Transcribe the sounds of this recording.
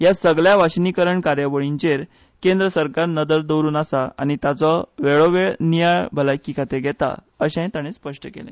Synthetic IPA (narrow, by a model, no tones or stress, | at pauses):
jasəɡɭjaʋaɕnikəɾəɳkaɾjaʋəɭiɲt͡ɕeɾ | kẽnd̪ɾəsəɾkaɾnəd̪əɾd̪əwɾuːnasaañit̪at͡sɔʋeɭoʋeɭnijajbʱəlajkːikʰat̪eɡʱɛt̪a̰ | əɕãt̪aɽ̃espəʂʈəkḛlɛ̰̃